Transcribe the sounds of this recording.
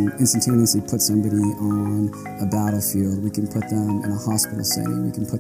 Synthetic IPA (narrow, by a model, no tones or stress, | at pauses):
ɪ̃nstn̩tʰẽɪniɨslipʰʊtsʌ̃mbɑɾiʔən | əbaʊɾəfilˠd̚wikɨ̃n̩pʰʊt̪̚ðə̃mɨ̰̃nəhɑspɪɾl̩ˠsḛɪ̰̃nwḭkʰn̩pʰʊ